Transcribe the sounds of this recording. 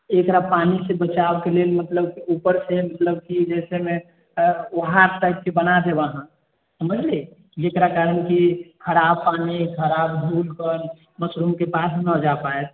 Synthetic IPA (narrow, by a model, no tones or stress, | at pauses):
ekɾapanisebət͡ʃabkelelmət̪ləbkiupəɾsemət̪ləb̚kid͡ʒɛseme | ʋəɦaɾsaɪp̚kebənad̪ebaɦã | səməd͡ʒle | d͡ʒekɾakaɾənkikʰəɾabpanikʰəɾabbʱulkəɾ | məsɾumkepasnəd͡ʒapaet̪̚